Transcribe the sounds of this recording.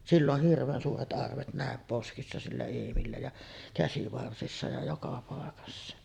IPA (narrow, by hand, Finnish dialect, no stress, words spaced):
silː oh hirʋˑeːn suːret ʔɑrʋet næˑem poskisːɑ silːæ eːmilːæ jɑ kæsiʋɑrsisːɑ jɑ jokɑ pɑˑekɑsːɑ